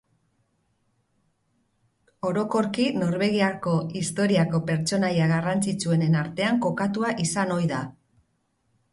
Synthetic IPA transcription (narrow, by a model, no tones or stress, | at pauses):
o̞ɾo̞ko̞ɾkino̞ɾβe̞ɣiako̞ist̪o̞ɾiako̞pe̞ɾt͡ʃo̞najaɣarant͡sit͡sue̞ne̞naɾt̪e̞aŋko̞kat̪uaʔisano̞jða